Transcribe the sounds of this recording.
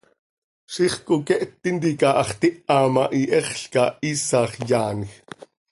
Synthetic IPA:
ʃiːχkokɛʔt̪ːint̪̬ikɑːʔɑχt̪iʔɑːmɑʔiʔɛχɬkɑ̰iːsɑːχjaːnix

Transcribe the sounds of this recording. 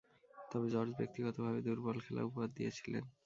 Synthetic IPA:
t̪ɔbed͡ʑɔɾd͡ʑbek̚t̪iɡɔt̪obʱabed̪uɾbɔlkʰela̰upoad̪ːijet͡ɕʰilḛn

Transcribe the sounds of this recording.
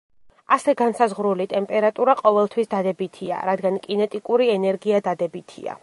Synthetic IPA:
asɛɡansazʁɾulit̪ʼɛmpʼɛɾat̪ʼuɾaqʼɔvɛlˠt̪ʰwisd̪ad̪ɛbit̪ʰia̰ɾad̪ɡankʼinɛt̪ʼikʼuɾiɛnɛɾɡiad̪ad̪ɛbit̪ʰḭa̰

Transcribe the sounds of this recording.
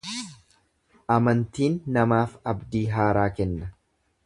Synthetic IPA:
ʔɐmɐnt̪iːnːɐmaːfɐbd̪iːɦaːɾaːkɛnːɐ

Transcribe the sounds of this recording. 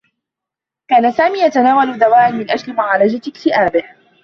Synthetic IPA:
kaːnasaːmiːjat̪anaːwald̪awaːʔanmɪnʔad͡ʒlɪmʊʕaːlad͡ʒat̪ɪkt̪ɪʔaːbɪh

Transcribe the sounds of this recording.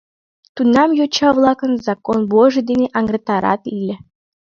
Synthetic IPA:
t̪unːɑmjot͡ɕɑvlˠɑkə̆nzɑkonboʒɘ̆d̪enʲeʔɑŋɡret̪ɑɾɑ̰t̪ilʲɘ̆

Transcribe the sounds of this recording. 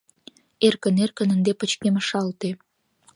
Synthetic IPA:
erkə̆nerkə̆nənd̪epə̆t͡ɕkeməʃɑlt̪e

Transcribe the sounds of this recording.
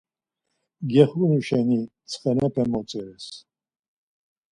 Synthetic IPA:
ɡɛχunuʃɛnit͡sʰχɛnɛpʰɛmɔt͡sʼɛɾɛs

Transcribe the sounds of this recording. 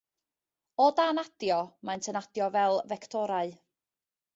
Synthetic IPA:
ɔdanad̥jɔmajntʰənad̥jɔvɛlˠvɛktʰɔɾaɨ

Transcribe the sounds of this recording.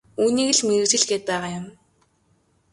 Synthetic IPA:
uːniːɣɘ̆ɮmeɾuːsɘ̆ɮɡeːt̪̚pæːʁaːjʊm

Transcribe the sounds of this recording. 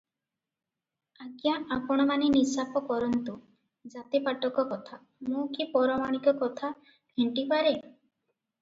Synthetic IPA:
aɡjaapɔɽ̃ɔmaninisapɔkɔɾɔnt̪u | d͡ʒat̪ipaʈɔkɔkɔt̪ʰa | mũkipɔɾɔmaɽ̃ikɔkɔt̪ʰa | bʰʱeɳʈipaɾe

